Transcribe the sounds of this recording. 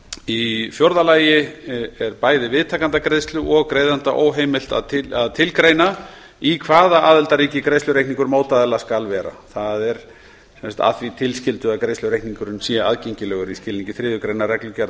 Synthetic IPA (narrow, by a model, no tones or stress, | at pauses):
ifjɔɾðalaːjɪɛɾpaːjðɪvɪðt̪ʰaːkant̪akɾejst̪lʏʔɔɣkɾeːjðant̪aʔo̰ːwɦeːjmɪl̥t̪a̰ðʰɪaðt̪ʰɪlkɾeːjna | ikʰvaːðaʔaːðɛlt̪aɾiːcɪkɾejst̪ʏɾejkniŋkʏɾmoːwt̪aðɪlaskalvɛːɾa̰θaðɛɾ | sɛmsḁt̪a̰θvit̪ʰɪlscɪlt̪ʏakɾeːjst̪ʏɾejhkniŋkʏɾʏnsiaaðcejɲcɪlɛːɣʏɾiscɪlːiɲcɪθɾɪːðʏkɾejnarɛklʏcɛɾ